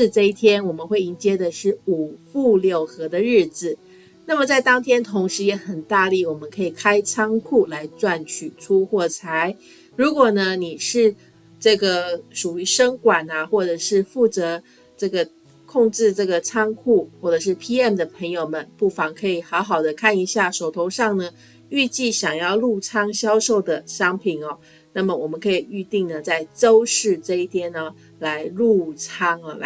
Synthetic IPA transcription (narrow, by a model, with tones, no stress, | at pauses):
ʂɻ̩˥˧ʈ͡ʂɤ˥˧i˥˩t̪ʰjɛ˥nwɔ˨˩mə˦nxwe˥˩ɪi˧˥ŋt͡ɕjɛ˥d̪ə˨ʂɻ̩˥˩u˨˩fu˥˧ljo˥˩ʊxɤ˧˥d̪ə˧ɻɻ̩˥˩d͡zɹ̩˨˩ | na˥˩mə˩t͡sa˥˩ɪt̪ɑ˥ŋt̪ʰjɛ˥nt̪ʰʊ˧˥ŋʂɻ̩˧˥jɛ˧˥xə˨˩nt̪a˥˧li˥˩wɔ˨˩mə˦nkʰɤ˧˥i˨˩kʰa˥ɪt͡sʰɑ˥ŋkʰu˥˩la˧˥ɪt͡swa˥˩nt͡ɕʰy˨˩t͡sʰu˥xwɔ˥˩t͡sʰa˧˥ɪ | ɻu˧˥kwɔ˨˩nə˦ni˨˩ʂɻ̩˥˩˧ | ʈ͡ʂɤ˥˩ɡə˩ʂu˨˩y˧˥ʂɤ˥ŋkwa˨˩nɐ˩xwɔ˥˩ʈ͡ʂɤ˨˩ʂɻ̩˥˧fu˥˩t͡sɤ˧˥ | ʈ͡ʂɤ˥˩ɡə˩ | kʰʊ˥˧ŋʈ͡ʂɻ̩˥˧ʈ͡ʂɤ˥˩ɡə˩t͡sʰɑ˥ŋkʰu˥˩xwɔ˥˩ʈ͡ʂɤ˨˩ʂ̬ɻ̩˥˩pʰi˥ɛ˥˩md̪ə˩pʰə˧˥ŋjo˨˧ʊmə˨˦npu˥˩fɑ˧˥ŋkʰɤ˧˥i˨˩xɑ˧˥ʊxɑ˨˩ʊd̪ə˦kʰa˥˩ni˧˥ɕja˥˩ʂo˨˩ʊt̪ʰo˧˥ʊʂɑ˥˩ŋnə˩ | y˥˧t͡ɕi˥˩ɕjɑ˨˩ŋjɑ˥˧ʊlu˥˩t͡sʰɑ˥ŋɕjɑ˥ʊʂo˥˩ʊd̪ə˩ɕɑ˥ŋpʰi˨˩nɐ˦ | na˥˩mə˩wɔ˨˩mə˦nkʰɤ˧˥i˨˩y˥˧t̪i˥˩ŋnə˩t͡sa˥˩ɪʈ͡ʂo˥ʊʂɻ̩˥˧ʈ͡ʂɤ˥˧i˥˩t̪ʰjɛ˥nə˧ | la˧˥ɪlu˥˩t͡sʰɑ˥ŋə˨˩˧